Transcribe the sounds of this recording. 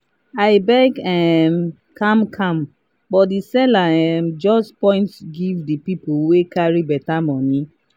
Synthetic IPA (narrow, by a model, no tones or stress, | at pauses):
aɪbɛɡɛm | kʰãmkʰãm | bɔtdisɛlaɛmd͡ʒɔstpɔ̃ɪ̃ntsɡivdipipowekaɹibɛtamɔni